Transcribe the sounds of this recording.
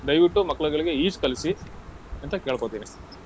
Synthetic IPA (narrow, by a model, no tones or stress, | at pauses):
d̪ɐjʋiʈːumɐkːɐɭɐɡɐɭiɡe̞iːt͡ʃkɐlisi | ɐnt̪ɐkeːɭkoːt̪iːni